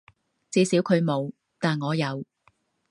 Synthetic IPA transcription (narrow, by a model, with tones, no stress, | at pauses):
t͡siː˧siː˨˥wkʰɵ˨˧ɥmo˨˧w | t̪aː˨nŋɔː˨˧jɐ˨˧w